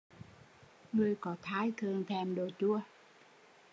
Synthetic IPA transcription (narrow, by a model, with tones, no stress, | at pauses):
nu˧˩əjkɔː˨˩t̪ʰaː˦˥jt̪ʰɤː˧ŋt̪ʰɛː˧mdoː˧jt͡ɕu˧˩ə